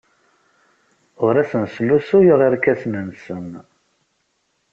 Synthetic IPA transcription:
ʊɾæsənslusujəʁiɾkæsnənsəm

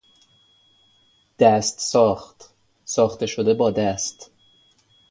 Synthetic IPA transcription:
d̪̥æst̪sɒːxt̪ | sɒːxt̪e̞ʃod̪e̞bɒːd̪æst̪

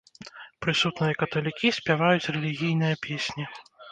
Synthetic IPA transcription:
pɾɨsut̪nɨjɐkɐt̪ɔlʲikʲisʲpʲavajut͡sʲrɛlʲiɣʲijn̪ɨjɐpʲʰesʲnʲi

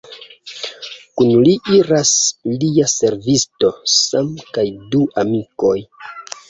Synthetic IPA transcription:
kunliʔiɾasliase̞ɾvisto̞samkajduʔamiko̞j

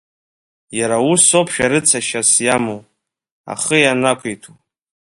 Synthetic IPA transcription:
jaɾauso̞pʰʃᶣaɾɨt͡sʰaʃasjamow | a̰χəjanakʷʰejtʰu

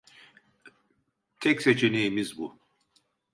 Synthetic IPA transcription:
t̪ʰɛcset͡ʃʰenejimizbu

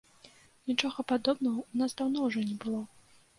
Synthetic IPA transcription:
nʲit͡ʂɔɣɐpad̪ɔbnɐɣɐunasd̪awnɔwʐɔnʲɛbɨlˠɔ

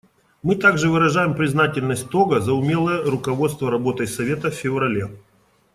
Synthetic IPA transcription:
mɨt̪aɡʐɨvɨɾɐʐajɪmpɾʲɪznatʲɪlʲnəsʲt̚ʲt̪oɡəzəʊmʲe̞lˠəjəɾʊkɐvo̞t̪st̪vəɾɐbo̞t̪əjsɐvʲe̞t̪əfʲfʲɪvɾɐlʲe

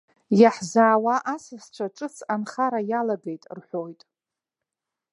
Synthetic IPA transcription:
jaħzaːwaʔasast͡ʃʷʰaʈ͡ʂʼɨt͡sʰanχaɾajalaɡe̞jtʼrħʷo̞jtʼ

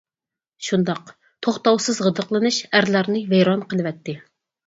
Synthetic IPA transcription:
ʃund̪ɑq | t̪ʰoχt̪ɑwsɨzʁəd̪əqlˠɨnɨʃæɾlˠɑɾnɨvejɾɑnqʰəlˠɨvɛt̪ʰːɪ

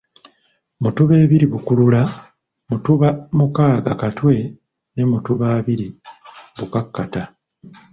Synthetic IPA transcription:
mutuβe̞ːβiɾiβukulula | mutuβamukaːɡakatwe̞ | ne̞mutuβaːβiɾiβukakːata

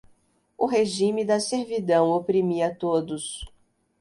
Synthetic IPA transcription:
ʊɦeʒĩmɪd̪ɐseɾvid̪ɐ̃w̃opɾimiɐt̪od̪ʊs

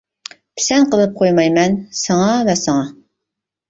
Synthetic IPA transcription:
pʰɪ̥sɛnqʰəlˠɨp̚qʰojmɑjmɛnsɑŋɑvɛsɨŋɑ

